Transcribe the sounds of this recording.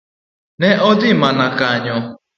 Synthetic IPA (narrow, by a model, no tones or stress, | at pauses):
nɛʔɔdɪmanakaɲɔ